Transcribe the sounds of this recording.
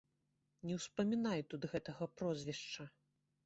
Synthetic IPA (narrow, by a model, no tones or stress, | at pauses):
nʲɛwspɐmʲinajt̪ud̪ɣɛt̪ɐɣɐpɾɔzʲvʲɛʂt͡ʂɐ